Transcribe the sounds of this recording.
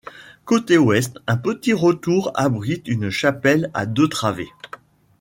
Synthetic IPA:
kot̪ewɛst̪ɛ̃pət̪iʁət̪uʁa̰bʁit̪ynʃapɛla̰d̪øt̪χavḛ

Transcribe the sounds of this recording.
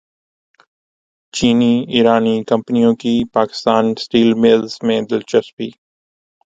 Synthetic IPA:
t͡ʃiːniːiːɾaːniːkɐ̃mpnijõkiːpaːkɪ̥st̪aːnsʈiːlmɪlzmẽd̪ɪlt͡ʃəspḭː

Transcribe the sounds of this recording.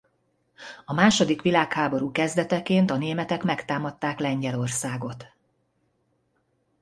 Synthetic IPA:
ɒmaːʃo̞d̪ikʋilaːkhaːbo̞ɾuːkɛzd̪ɛt̪ɛkeːnt̪ɒneːmɛt̪ɛkmɛkt̪aːmɒt̪ːaːklɛɲɟɛlo̞rsaːɡo̞t̪

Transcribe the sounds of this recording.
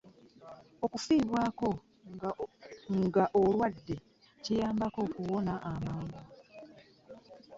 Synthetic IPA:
okufiːβwaːko̞ | ŋɡaʔo̞lwadːe̞ | cijaːmbako̞ːkuwo̞naʔamaːŋɡa

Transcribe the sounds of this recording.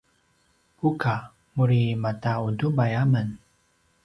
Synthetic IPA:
puka | muɾimataudubajamən

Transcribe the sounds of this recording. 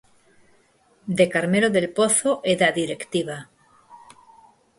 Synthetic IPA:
d̪e̞kaɾme̞loðe̞lpo̞θoʔeðaðiɾe̞kt̪iβa

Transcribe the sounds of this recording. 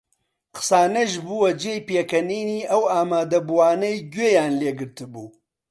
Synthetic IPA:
qʰɨ̥saːnɐʒbuwɐd͡ʒejpeːkɐniːniːʔɐwaːmaːd̪ɐbuwaːnɐjɡeːjaːnleːɡɨɾt̪ɨbuː

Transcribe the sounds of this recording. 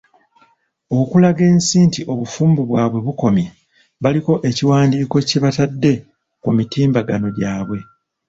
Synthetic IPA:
okulaɡe̞ːnsiːntiʔo̞βufuːmbuβwaːβwe̞βuko̞mje | βaliko̞ʔe̞ciwaːndiːko̞ceβatadːe̞ | kumitiːmbaɡano̞ɟaːβwe̞

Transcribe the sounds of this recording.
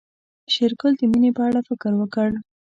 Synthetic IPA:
ʃɪɾkəld̪əmunepəaɽafɪkəɾwəkəɽ

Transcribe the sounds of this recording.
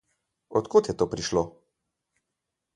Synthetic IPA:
ɔt̪kot̪jɛt̪oːpɾiʃloː

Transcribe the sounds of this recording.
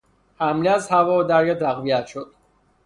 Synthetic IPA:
hæmleæzhævɒːd̪æɾjɑt̪ʰæɣvijæt̪ʃod̪̥

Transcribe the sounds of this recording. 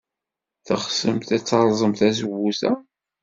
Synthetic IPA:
θəχsəmt̪æt͡sːɑɾˤzˤəmt̪æzəwːusæ

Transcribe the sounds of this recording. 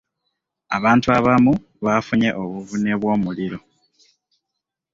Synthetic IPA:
aβaːntuaβamu | βafuɲe̞ʔoβuvune̞βwo̞ːmuliɾo̞

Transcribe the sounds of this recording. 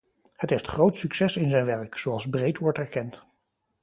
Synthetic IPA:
hətɦejftχrowtsyksɛsɪnzɛjnʋɛɹksowɑlˠzbrejtʋɔɹtɛɹkɛnt

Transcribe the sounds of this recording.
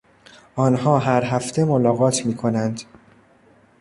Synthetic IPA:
ʔɒːnɦɒːɦæɾɦæft̪ʰe̞molɒːɣɒːt̪ʰmiːkʰo̞nænd̪̥

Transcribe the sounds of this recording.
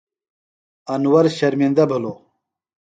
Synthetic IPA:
ɐnwɐɾɕɐɾmind̪ɐbʱəlo

